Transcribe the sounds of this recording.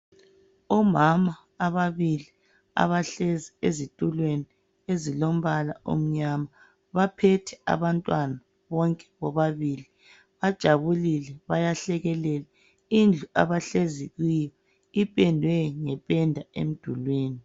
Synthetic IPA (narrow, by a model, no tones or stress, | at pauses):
ɔmamaː | βaβili | a̰βaɬeziezitʼulweni | ezilom̩βala̰ʔo̰m̩ɲama | βapʰɛtʰɛa̰βantʼwana | βɔŋkʼɛ̥βɔβaβiːli | βad̥ʒ̥ʱaβulilɛβajaɬɛɣɛlɛlɛ | ind͡ɮʱuaβaɬeziɣwijɔ | ipʼɛndʱwɛŋɛpʼɛndʱaḛm̩d̥ʱulweːni